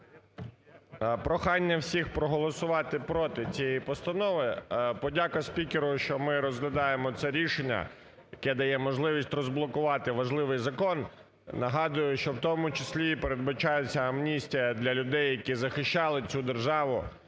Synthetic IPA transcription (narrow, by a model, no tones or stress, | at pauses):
pɾɔxɑnʲːɐwsʲixpɾɔɦɔlˠɔsʊʋɑt̪ɪpɾɔt̪ɪt͡sʲijɛipɔst̪ɐnɔʋɪpɔdʲakɐsʲpʲikʲeɾʊʃt͡ʃɔmɪɾɔzɦlʲɐd̪ɑjemɔt̪sɛɾʲiʃenʲːɐ̰ | jɐkɛd̪ɐjɛmɔʒlˠɪʋʲisʲtʲrɔzblˠɔkʊʋɑt̪ɪʋɐʒlˠɪʋɪjzɐkɔn | nɐɦɑd̪ʊjʊʃt͡ʃɔwt̪ɔmʊt͡ʃɪsʲlʲipeɾed̪̚bɐt͡ʃɑjʊt͡sʲːɐɐmnʲisʲtʲijɐd̪lʲɐlʲʊd̪ɛjːɐkʲizɐxɪʃt͡ʃɑlˠɪt͡sʲud̪erʒɑʋʊ